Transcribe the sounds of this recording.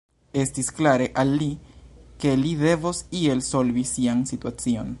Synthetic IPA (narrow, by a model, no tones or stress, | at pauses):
e̞stisklaɾe̞ʔalːike̞lide̞vosie̞lso̞lvisiansituat͡sio̞n